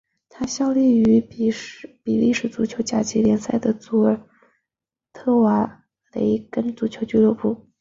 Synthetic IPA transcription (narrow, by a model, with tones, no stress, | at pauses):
t̪ʰa˥ɕjɑ˥˧ʊli˥˩y˧˥ | pi˨˩li˥˩ʂɻ̩˥˩t͡su˧˥t͡ɕʰjo˧˥t͡ɕja˥˩t͡ɕi˧˥ljɛ˧˥nsa˥˩ɪd̪ə˩t͡su˧˥ə˞˨˩ | t̪ʰɤ˥˩wa˧˥ | le˧˥ɪkə˥nt͡su˧˥t͡ɕʰjo˧˥ʊt͡ɕy˥lɤ˥˩pu˥˩